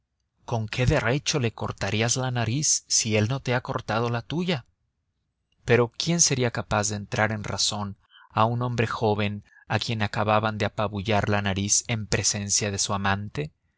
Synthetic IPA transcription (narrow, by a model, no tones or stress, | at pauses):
ko̞ŋkʰe̞ðe̞ret͡ʃo̞le̞ko̞ɾt̪aɾiazlanaɾisːie̞lno̞t̪e̞ako̞ɾt̪að̞o̞lat̪uʝa | pe̞ɾo̞kje̞nse̞ɾiakapazðe̞ːnt̪ɾaɾe̞nra̰so̞n | aunõ̞mbɾe̞xo̞βe̞n | akje̞nakaβaβand̪eapaβuʝaɾlanaɾise̞mpɾe̞se̞nsjaðe̞suamãnt̪e̞